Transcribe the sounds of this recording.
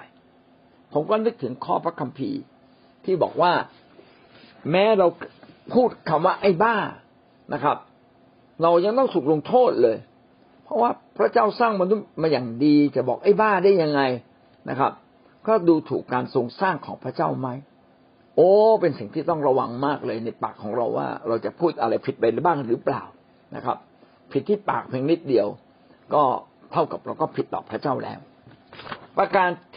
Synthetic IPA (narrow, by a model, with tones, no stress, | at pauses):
aː˧˩j | pʰo˩˦mkɔː˥˩nɯ˦˥k̚t̪ʰɯ˩˦ŋkʰɔː˥˩pʰɾa˦˥kʰa˧mpʰḭː˧ | t̪ʰiː˥˩bɔ̰ː˨˩k̚waː˥˩ | mɛː˦˥ɾa˧wpʰuː˥˩t̪̚kʰa˧˩mwaː˥˩ʔa˥˩jbaː˥˩ŋ | na˦˥kʰa˦˥p̚ | ɾa˧wja˧ŋt̪ɔ˥˩ŋsu˨˩k̚lo˧ŋt̪ʰoː˥˩t̪̚lɤː˧j | pʰɾɔ˦˥waː˥˩pʰɾa˦˥t͡ɕaː˥˩wsaː˥˩ŋma˧nu˦˥t̪̚maː˧jaː˨˩ŋdiː˧t͡ɕa˨˩bɔ̰ː˨˩k̚ʔa˥˩jbaː˥˩ŋdaː˥˩ja˧ŋːa˧j | na̰˦˥kʰa̰˦˥p̚ | kɔː˥˩duː˧t̪ʰṵː˨˩kːaː˧nso˧ŋsaː˥˩ŋkʰɔː˩˦ŋpʰɾa˦˥t͡ɕaː˥˩wma˦˥j | ʔoː˨˦pe˧nsi˨˩ŋt̪ʰiː˥˩t̪ɔ˥˩ŋɾa˧wa˧ŋmaː˥˩k̚lɤː˧jna˧jpa̰ː˨˩kʰːɔː˩˦ŋɾa̰˧wːa̰ː˥˩ɾa˧wt͡ɕa˨˩pʰuː˥˩t̪̚ʔa˧ɾa˧jpʰi˨˩t̪̚pa˧jɾa˧˦baː˥˩ŋɾɯː˩˦pla̰ː˨˩w | na̰˦˥kʰa̰˦˥p̚ | pʰi˨˩t̪ʰːiː˥˩pa̰ː˨˩k̚pʰiː˧ŋni˦˥˩t̪̚di˧əw | kɔː˥˩ | t̪ʰa˥˩wka˨˩p̚ɾa˧wkɔː˥˩pʰi˨˦t̪ːɔː˨˩pʰɾa˦˥t͡ɕaː˥˩wlɛ̰ː˦˥w | pɾa˧kaː˧nʰ